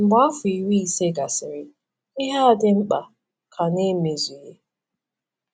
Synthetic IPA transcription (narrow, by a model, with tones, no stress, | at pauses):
m̩˨ba˦fʊ˨i˨wi˦i˨se˦ɡa˨sɪ˨ɾɪ˨ | ɪ˦ɦa˦a˨dɪ˦m̩˦k͡pa̰˨ | kʰa˨ne˦me˨zi˨je˦